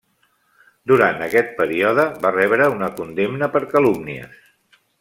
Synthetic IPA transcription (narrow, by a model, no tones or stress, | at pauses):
d̪uɾant̪əkɛt̪̚pəɾiɔðəβarɛβɾəunəkund̪emnəpəɾkəlumniə̰s